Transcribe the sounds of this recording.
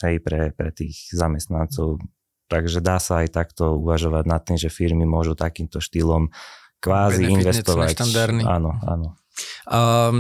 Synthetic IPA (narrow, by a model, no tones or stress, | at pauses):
ɦɛjpɾɛpɾɛt̪iːɣzamɛst̪nant͡sɔʊ | t̪aɡʒɛd̪aːsaːjt̪akt̪ɔuʋaʒɔʋaɟnat̪ːimʒɛfiɾmimʊɔʒut̪akiːmt̪ɔʃt̪iːlɔm | kʋaːziinʋɛsst̪ɔʋac̪aɾa̰nɔa̰nɔ